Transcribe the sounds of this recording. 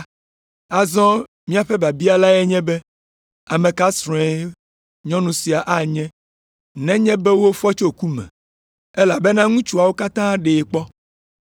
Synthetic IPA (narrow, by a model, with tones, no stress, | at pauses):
a˨zɔ̃˦ | mĩ˦a˨ɸɛ˦ba˨bi˦a˨la˦ɛ˦ɲɛ̃˦bɛ˦ | a˨mẽ˨ka˦sɾɛ̃˨˦ | ɲɔ̃˦nũ˨si˨a˨ʔa˦ɲɛ̃˦ | nɛ̃˦ɲɛ̃˦bɛ˦wo˦fɔ˦t͡ʃo˦ku˦mɛ̰̃˨ | ɛ˦la˨be˦nã˦ŋũ˦t͡ʃu˦a˨wo˦ka˦t̪ã˦ɖe˨k͡pɔ˦